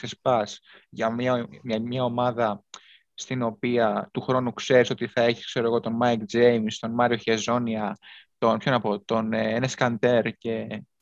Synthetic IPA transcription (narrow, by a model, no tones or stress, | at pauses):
θespɐsʝɐmɐɐmɲɐo̞mɐðɐ | st̪ino̞piɐt̪uxɾo̞nukse̞ɾiso̞t̪iθɐe̞çi̥skse̞ɾo̞ɣo̞t̪o̞nmɐjkd͡zejmst̪o̞nmɐɾioçezo̞niɐt̪o̞npço̞nɐpo̞t̪o̞neeneskɐnt̪e̞ɾce̞